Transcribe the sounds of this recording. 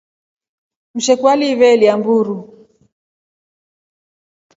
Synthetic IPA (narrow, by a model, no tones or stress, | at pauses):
m̩ʃɛkwaliβɛliambuɾu